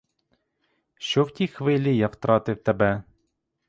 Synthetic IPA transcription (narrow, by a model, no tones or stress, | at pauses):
ʃt͡ʃɔwtʲixʋɪlʲijɑwt̪ɾɑt̪ɪwt̪ebɛ